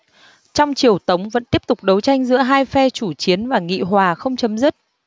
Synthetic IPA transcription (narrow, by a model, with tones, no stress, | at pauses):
t͡ɕɔ˧wŋ͡mt͡ɕi˨˩əwt̪ə˨˦wŋ͡mvə̰˧˥nt̪i˦˥əp̚t̪ʊ˨˩k͡p̚ɗə˨˦wt͡ɕa˧jŋ̟zɨ̰˧˥əɦaː˧jfɛ˧t͡ɕu˧˩t͡ɕi˨˦ənvaː˨˩ŋḭ˧˨ɦwaː˨˩xə˧wŋ͡mt͡ɕə˨˦mzɨ˦˥t̚